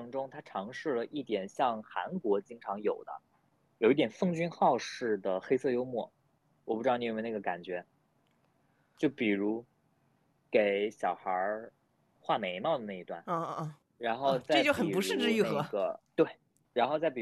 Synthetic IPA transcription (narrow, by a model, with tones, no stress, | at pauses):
ŋʈ͡ʂʊ˥ŋt̪ʰa˥ʈ͡ʂʰɑ˧˥ŋʂɻ̩˥˩lə˩ʔi˥˩t̪jɛ˨˩nɕjɑ˥˩ŋxa̰˧˥nkwɔ˧˥t͡ɕi˥ŋʈ͡ʂʰɑ˧˥ŋjo˨˩ʊd̪ə̰˦ | jo˨˩ʊi˥˩t̪jɛ˨˩nfɤ˥ŋt͡ɕy˥nxɑ˥˧ʊʂɻ̩˥˩d̪ə˩xe˥ɪsɤ˥˩jo˥ʊmwɔ˥˩ | wɔ˨˩pu˥˩ʈ͡ʂɻɑ˥˩˧ni˥˩˧na˥˩ɡə˩ka̰˨˩nt͡ɕɥɛ˧˥ | t͡ɕjo˥˩ʊpi˨˩ɻu˧˥ | ke˨˩ɪɕjɑ˨˩ʊxə˞˧˥ | xwa˥˩me˧˥ɪmɑ˥˩d̪ə˩na˥˩i˧˥t̪wa̰˥˩n˥˧ | ɻa˧˥nxo˥˧ʊt͡sa˥˩˥ɪt͡ɕo˥˩xə˨i˩˨˩pu˧˥ʂɻ̩˥˩ʈ͡ʂɻ̩˥˧y˥˩na˥xɤ˧˩˧ɡə˩t̪we˥˩ɪ | ɻa˧˥nxo˥˧ʊt͡sa˥˩ɪpi˨˩